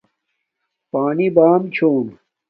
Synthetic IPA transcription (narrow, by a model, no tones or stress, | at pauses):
paːnibaːmt͡ɕʰoːn